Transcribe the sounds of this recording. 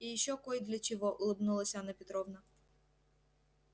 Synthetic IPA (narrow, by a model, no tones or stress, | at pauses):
ijʃt͡ʃɔkɔjd̪lʲɐt͡ʃɔɦɔʔʊlˠɪbnulˠɐsʲɐnɐpʲit̪ɾɔwnɐ